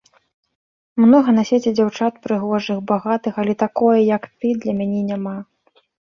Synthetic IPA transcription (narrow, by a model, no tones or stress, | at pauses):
mnɔɣɐnasʲet͡sʲid͡zʲawt͡ʂat̪̚pɾɨɣɔʐɨxbaɣat̪ɨxalʲɛt̪akɔjɛjɐkt̪ɨd̪lʲɐmʲanʲɛnʲama